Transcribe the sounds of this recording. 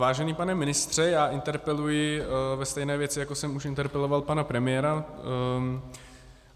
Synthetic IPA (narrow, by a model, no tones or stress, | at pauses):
vaːʒɛniːpanɛmɪnɪst̪r̝̥ɛjaːʔɪnt̪ɛɾpɛlujɪvɛst̪ɛjnɛːvjɛt͡sɪjakosɛmuʃʔɪnt̪ɛɾpɛlo̞valpanapɾɛmɪjɛːɾa